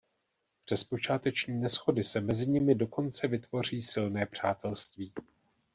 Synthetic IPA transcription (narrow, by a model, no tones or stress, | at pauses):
pr̥ɛspo̞t͡ʃaːt̪ɛt͡ʃɲiːnɛsxo̞dɪsɛmɛzɪɲɪmɪdo̞ko̞nt͡sɛvɪt̪vo̞r̝iːsɪlnɛːpr̝̥aːt̪ʰɛlst̪viː